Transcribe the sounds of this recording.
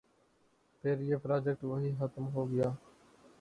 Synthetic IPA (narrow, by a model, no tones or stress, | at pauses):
pʰeːɾɪeːpɾaːd͡ʒek̚ʈʋəɦiːɦət̪mɦoːɡɪjaː